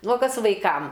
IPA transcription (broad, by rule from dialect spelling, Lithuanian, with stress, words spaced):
ˈnʊ oː ˈkɐs ʋɐɪˈkɐm